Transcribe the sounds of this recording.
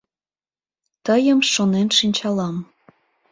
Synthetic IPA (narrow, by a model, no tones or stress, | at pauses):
t̪əjəmʃonenʃinʲt͡ɕɑlɑm